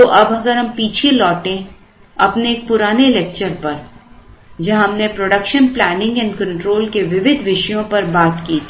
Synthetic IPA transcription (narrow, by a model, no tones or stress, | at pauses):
oʔɐbɐɡəɾɦɐmpiːt͡ʃʰelɔːʈẽ | ɐpneːk̚pʊɾaːnelɛːk̚t͡ʃəɾpɐɾ | d͡ʒɐɦɦɐmnepɾoːɖəkʃənplɛːnɪ̃ŋɡɛ̃nkɐ̃ɳʈɾoːlkeʋɪʋɪd̪ʱʋɪʃjõpɐɾbaːt̪kiː